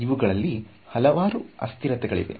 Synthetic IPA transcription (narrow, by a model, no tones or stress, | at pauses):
iʋuɡɐɭɐlːi | hɐlɐʋaːɾuɐ̰st̪iɾɐt̪ɛɡɐɭḭd̪e̞̰